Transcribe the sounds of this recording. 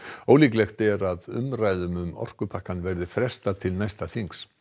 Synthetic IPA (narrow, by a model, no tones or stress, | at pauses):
oːwliːklɛxt̪ɛɾaðʏ̰mɾaːjðʏmʏmɔ̰r̥kʏpʰahkanːvɛɾðɪfɾɛ̥st̪at̪ʰɪlnajst̪aθiŋks